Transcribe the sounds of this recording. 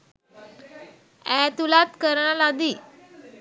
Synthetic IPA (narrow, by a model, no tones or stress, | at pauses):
ɛt̪ulat̪kəɾɳalad̪iː